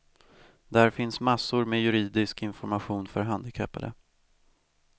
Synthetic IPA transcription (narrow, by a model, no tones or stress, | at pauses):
d̪æɾfɪnsmasːʊɾmejɵɾiːd̪ɪskɪnfɔɾmaɧuːnfœɾɦand̪ɪkʰœpːa̰d̪ə̰